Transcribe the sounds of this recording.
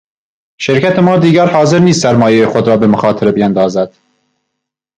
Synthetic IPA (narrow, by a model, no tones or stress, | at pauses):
ʃeɾkʰæt̪ʰemɒːd̪iːɡæɾhɒːzeɾniːst̪sæɾmɒːjejexod̪ɾɒːbemoxɑːt̪ʰeɾebijænd̪ɒːzæd̪̥